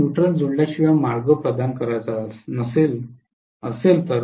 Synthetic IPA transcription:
uʈɾəld͡zuɳɖjaɕiʋamaɭɡəpɾəd̪ankəɾajt͡sasnəsel | əselt̪əɾ

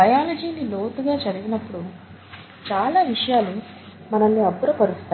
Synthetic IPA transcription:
ɐjaːlɐd͡ʒiːnilo̞ːt̪uɡaːd͡ʒɐɾiɡinɐpːuɽu | t͡ʃaːlaːʋiʂɐjaːlu | mɐnɐnːiɐbuɾɐpɐɾust̪a

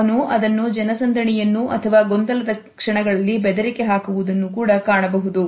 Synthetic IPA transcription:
ɐnuʔɐd̪ɐnːud͡ʒɐnɐsɐnd̪ɐɳijɐnːuʔɐt̪ʰɐʋaːɡond̪ɐlɐd̪ɐ | kʂɐɳɐɡɐɭɐlːibɛd̪ɐɾikeɦaːkuʋud̪ɐnːukuːɽɐkaːɳɐbɐɦud̪u

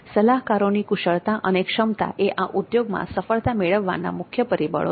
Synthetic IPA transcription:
səlaɦkaɾonikuʃəɭt̪aʔənekʃəmt̪a̰ʔeʔaʔud̪joɡmã̰səfəɭt̪ameɭəʋːa̰nːa̰mʊkʰjəpəɾibə̰ɭ

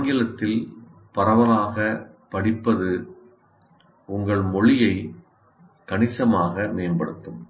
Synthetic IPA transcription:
ŋɡɪlɐt̪ːɪl | pɐɾɐʋɐlaːɣɐ | pɐɽɪpːɐðɯ | ʊŋɡɐɭmɔɭɪjɐɪ | kɐɳɪsɐmaːɣɐmeːnbɐɽɯt̪ːɯm

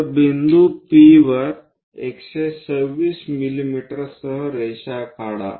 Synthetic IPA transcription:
bind̪upiʋəɾ | ekɕesəʋʋiːsmilimiʈəɾɾsəɦəɾeɕakʰaɽa̰

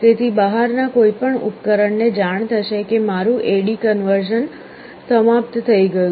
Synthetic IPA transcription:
t̪et̪ʰibəɦaɾnakoipəɳṵpkəɾəɳned͡ʒaɳ̃t̪ʰəʃekemaɾũʔeɽikənʋəɾʃən | səmap̚t̪t̪ʰəiɡəju

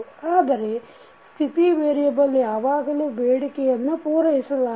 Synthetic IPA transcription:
aːd̪ɐɾe̞ | st̪ʰit̪iʋeːɾijɐbɐlːijaːʋaːɡɐluːbeːɽikɛjɐnːupuːɾɐɦisɐlaː

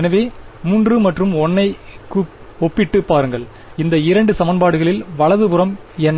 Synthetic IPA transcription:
ɛnɐʋeːmuːndrɯmɐʈrɯmɔnːɐɪkːɯ | ɔpːɪʈːɯpːaːɾɯŋɡɐɭ | ɪnd̪ɐɪɾɐɳɖɯsɐmɐnbaːɽɯɣɐɭɪlʋɐɭɐðɯpɯɾɐm | ɛnː

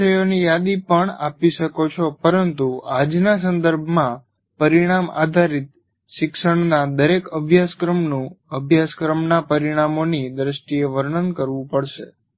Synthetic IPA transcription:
əjonijad̪ipəɳa̰piʃəkot͡ʃʰopəɾənt̪uad͡ʒnas̬ə̃nd̪əɾbʱmã | pəɾiɽ̃ama̰d̪ʱaɾit̪̚ | ʃɪkʃəɳnad̪əɾekəbʱjaskɾəmnũəbʱjaskɾəmnapəɾiɽ̃amonid̪ɾəst̪ieʋəɾɳənkəɾʋũpəɽʃe

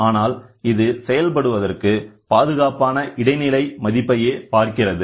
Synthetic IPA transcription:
aːnaːlɪðɯsɛjɐlp̬ɐɽɯʋɐðɐrkɯpaːðɯɣaːpaːnɐʔɪɽɐɪnɪlɐɪmɐðɪpːɐjeːpaːɾkɪrɐðɯ

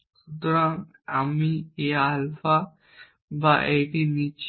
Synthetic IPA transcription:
ʃut̪oɾaŋ | amieɦalfa | baʔeʈinit͡ɕ

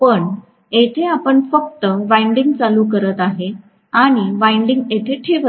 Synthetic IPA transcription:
pəɳ | et̪ʰeapəɳfək̚t̪əʋajɳɖiŋɡ̚t͡saluːk̬əɾət̪aɦe | aɽ̃iʋajɳɖiŋɡet̪ʰeʈʰeʋə

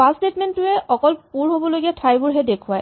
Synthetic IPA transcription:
pastetmɛntːʊɛʔɔkɔlpuɹɦobɔlojɡiatʰajbuɹɦɛdekʰʊwaj

